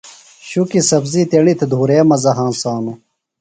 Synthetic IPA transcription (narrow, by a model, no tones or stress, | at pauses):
ɕukisɐbzit̪eɳit̪ʰed̪ʱuːɾeːmɐzɐɦãːnsaːnu